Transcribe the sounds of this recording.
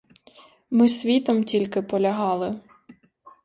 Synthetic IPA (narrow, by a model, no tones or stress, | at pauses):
mɪsʲʋʲit̪ɔmtʲilʲkɪpɔlʲɐɦɑlˠɪ